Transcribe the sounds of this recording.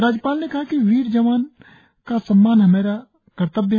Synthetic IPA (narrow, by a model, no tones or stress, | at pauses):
ɾaːd͡ʒəpaːlnekɐɦakiʋiːɾd͡ʒɐʋaːn | kasɐmːaːnɦɐmeːɾa | kɐɾt̪əb̚d̪e